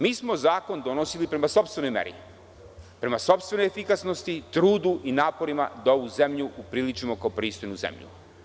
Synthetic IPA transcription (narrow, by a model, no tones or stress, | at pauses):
miːsmo̞zaːko̞nd̪onosilipɾe̞maso̞pst̪ve̞nojmḛɾḭ | pɾe̞maso̞pst̪ʋe̞nojefikasno̞st̪it̪ɾuːd̪uʔinaːpo̞ɾima̰d̪ao̞ʋuze̞mʎuupɾilit͡ʃimo̞kaopɾiːst̪ojnuzḛmʎṵ